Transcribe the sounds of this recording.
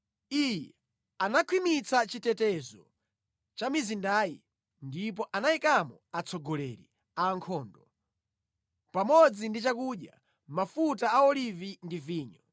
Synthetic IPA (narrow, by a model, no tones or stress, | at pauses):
ijɛ | anakʰwimit͡sat͡ʃitɛtɛzɔ | t͡ʃamizindaːjḭ | ndip̬ɔʔanaikamɔat͡sɔɡɔlɛ̰ːɾḭ | aŋkʰɔːndɔ | pamɔd͡zindit͡ʃakuɗja̰ | mafutaaɔlivindiviːɲɔ